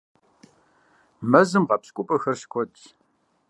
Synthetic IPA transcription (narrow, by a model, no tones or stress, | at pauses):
mɐzɨmʁɐpskʷʼʊpʼɐxɐrɕkʷʰɔtʼ